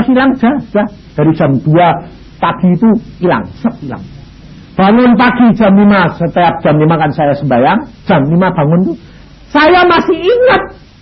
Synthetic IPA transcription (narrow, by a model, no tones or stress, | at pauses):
asilaŋd͡ʒ̥ad͡ʒad̪̥aɾid̥ʒ̥a̤md̪̥ua | paɡ̥i̤ːt̪uila̰ŋsəp̚ila̰ŋ | b̥aŋʊnpaɡ̥id̥ʒ̥a̤mlimasət̪eap̚d̥a̤mlimakansajasəmbajaŋd̥ʒ̥a̤mlimab̥a̤ŋʊnt̪u | sajamasɪhiŋət̪̚